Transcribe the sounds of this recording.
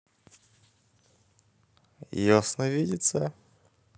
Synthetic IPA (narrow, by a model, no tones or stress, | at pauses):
josnəvʲidʲɪt̪sə